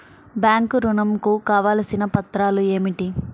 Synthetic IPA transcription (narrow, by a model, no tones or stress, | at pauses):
bjaːŋkɾunɐmkukaːʋaːlɐsinɐpɐt̪ːɾaːlue̞ːmiʈi